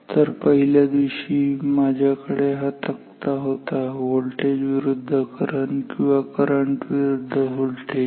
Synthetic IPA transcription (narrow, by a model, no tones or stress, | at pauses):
t̪əɾpəɦiljad̪iɕiːmad͡ʑʱjakəɽeɦat̪ək̚t̪aɦot̪aɦolʈed͡ʑʋiɾud̪ʱːəkəɾəɳkĩw̃ʋakəɾəɳʈʋiɾud̪ʱːəɦolʈed͡ʑ